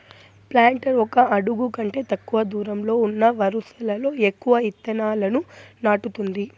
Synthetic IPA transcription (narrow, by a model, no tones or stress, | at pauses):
plaːɳʈɐɾɔkɐɐɽuɡukɐɳʈe̞ːt̪ɐkːuʋɐd̪uːɾɐmlo̞ːunːɐʋɐɾusɐlɐlo̞ːekːuʋɐit̪ːɐnaːlɐnunaːʈut̪und̪i